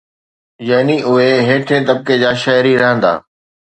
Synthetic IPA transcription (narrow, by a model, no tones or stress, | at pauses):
jɐːniʔʊɦeɦeːʈʰẽːt̪ɐb̚ked͡ʑaːʃɐːjɾiɾɐɦə̃nd̪a̰ː